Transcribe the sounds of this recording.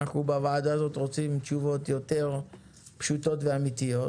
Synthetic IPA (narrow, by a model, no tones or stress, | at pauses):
aχnubavaːdazo̞tʁo̞t͡simt͡ʃuvo̞tjo̞te̞ʁ | pʃuto̞tveamit̪ijo